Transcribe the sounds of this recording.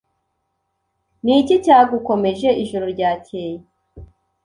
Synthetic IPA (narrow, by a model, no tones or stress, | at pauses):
niːcicaːɡuko̞me̞ʒe̞iʒoɾo̞ɾɟaːceji